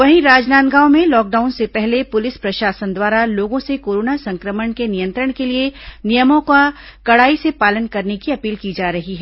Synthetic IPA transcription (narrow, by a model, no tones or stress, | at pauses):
ʋɐɦĩɾaːd͡ʒnaːt̪ɡaːomẽlɔːk̚ɖaːʊnsepɛɦlepʊlɪspɾɐʃaːsənd̪waːɾaloːɡõsekoːɾoːnasɐ̃ŋkɾəməɳkenɪjə̃nt̪ɾəɽ̃kelienijəmõkakɐɽaːisepaːlənkɐɾnekiɐpiːlkid͡ʒaːɾɐɦiɦɛː